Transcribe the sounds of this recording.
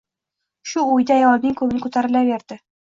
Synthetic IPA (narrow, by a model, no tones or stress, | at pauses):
ʃulˠujd̪ɑjɒwɑbniŋkʉbɘŋkʉt̪æɾɘ̆læbeɾd̪̥ɘ